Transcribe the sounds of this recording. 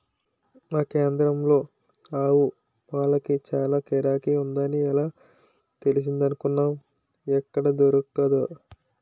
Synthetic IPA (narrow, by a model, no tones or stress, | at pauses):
aːke̞ːnd̪ɾɐmlo̞ː | aːwu | ʋaːlːɐkit͡ʃaːlaːkɛːɾaːkiund̪aːniɛlaː | t̪e̞lis̬ind̪ɐnukunːaːm | ɛkːɐɽɐd̪oɾukukɐd̪u